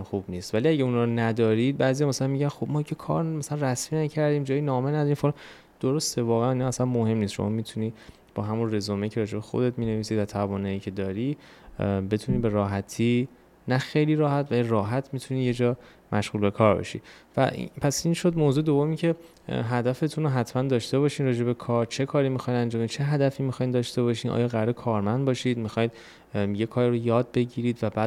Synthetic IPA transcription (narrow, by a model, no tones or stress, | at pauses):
xubniːst̪væliæɟeunɒɾɔnæd̪ɒːɾid̪̚bæːzijɒmæsælænmiːɟænxob̚mɒːicʲʰekʰɒ̰ːɾmæsælænræsmiːnæcʰæɾd̪iːmd͡ʒɒːjinɒːmenæd̪ɒɾimfolɑ | d̪̥oɾost̪evɒːɣeæninɒːsænmohe̞mnist̪ʃo̰mɒːmit̪ʰuniː | b̥ɒːɦæmunrezɒːmecʰe̞ɾɒːd͡ʒebexo̰d̪e̞t̪miːne̞viːsiːd̪væt̪ʰævɒːnɒːiːcʰe̞d̪ɒːɾi | be̞t̪ʰuniːbe̞ɾɒːɦæt̪ʰiː | næxejliːɾɒːhæt̪ʰvæliɾɒːɦæt̪ʰmit̪ʰuniːje̞d͡ʒɒː | mʔæʃɣuːlbe̞kʰɒːɾbɒ̰ʃḭd̪væ̰ʔpʰæsinʃod̪mozuːed̪ovːomiːcʰe̞ | ɦæd̪æfe̞t̪ʰunoɦæt̪ʰmænd̪ɒːʃt̪e̞βɒːʃiːnɾɒːd͡ʒe̞be̞kʰɒːɾt͡ʃʰe̞kʰɒːɾimixɒjd̪ænd͡ʒɒːmid̪̥̚t͡ʃʰe̞ɦæd̪æfiːmixɒjnd̪ɒːʃt̪e̞βɒʃiːnɒ̰ːjɒːɣæɾɾekʰɒːɾmænd̪bɒːʃid̪mixɒːjd̪ | je̞kʰɒːɾiɾojɒːd̪̚be̞ɟiːɾiːd̪væbæː